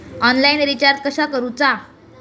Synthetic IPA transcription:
ɔnlainɾit͡ɕaɾʈ̪̚kəɕakəɾũt͡sa

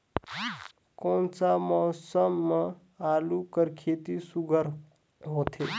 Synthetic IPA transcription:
koːnsamɔsəmːə | alukəɾkʰet̪isuɡʱəɾ | ɦot̪ʰe

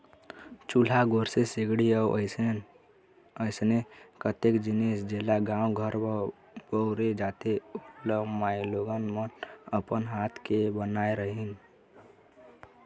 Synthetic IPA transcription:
t͡ʃulaɡoːɾsesɪɡɽiəəɪ | əɪsnekət̪ekd͡ʒɪnisd͡ʒeːlaɡãːũɡʱəɾ | bəɾed͡ʒaːt̪eʊləmaːiloːɡənmənəpənɦaːt̪ʰkebənaːeɾəɦin

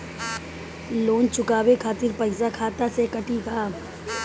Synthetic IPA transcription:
loːnt͡ʃʊkaːbekʰaːt̪ɪɾpəɪsakʰaːt̪asekəʈikaː

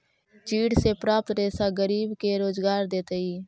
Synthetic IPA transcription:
t͡ʃiːɽsepɾaːp̚t̪ɾeːsaɡəɾiːbkeɾoːzɡaːɾd̪eːt̪əiː

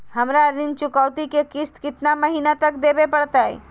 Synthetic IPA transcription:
ɦəmɾaɾɪ̃nt͡ʃʊkawt̪ikekɪst̪kɪt̪naməɦinat̪ək̚d̪ebepəɽt̪aḛ

